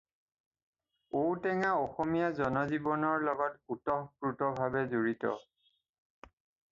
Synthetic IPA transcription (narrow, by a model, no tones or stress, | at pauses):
owtɛŋaɔxɔmijazɔnɔzibɔnɔɹlɔɡɔtutɔhbɹutɔbʱabɛzoɹitɔ̰